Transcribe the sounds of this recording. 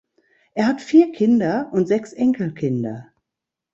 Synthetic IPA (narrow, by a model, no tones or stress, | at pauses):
ʔeːɐhatfiːɐkʰɪndɐʔʊntz̥ɛksʔɛŋkl̩kʰɪndɐ̰